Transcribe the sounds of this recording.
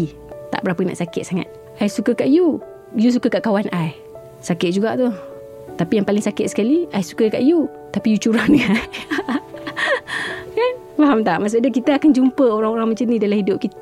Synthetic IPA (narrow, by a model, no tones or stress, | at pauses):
t̪a̰ʔbəɾapəna̰ʔsakɪt̪̚saŋa̰t̪̚ | ʔajsukəkaʔju | jus̬ukəkaʔkawanaj | sakɪt̪̚d͡ʒuɡaʔt̪u | t̪apijaŋpalɪŋsakɪt̪̚sə̥kaliajsu̥kəkaʔju | t̪apijut͡ʃuɾaŋdəɡa | kan | faɦamt̪aʔmas̬oʔdakit̪əakand͡ʒumpəoɾaŋoɾaŋməɲt͡ʃənidalamhidʊp̚kit̪